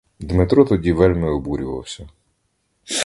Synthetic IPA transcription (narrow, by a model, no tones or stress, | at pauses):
d̪mɪt̪ɾɔt̪ɔdʲiʋɛlʲmɪɔbuɾʲʊʋɐ̰wsʲɐ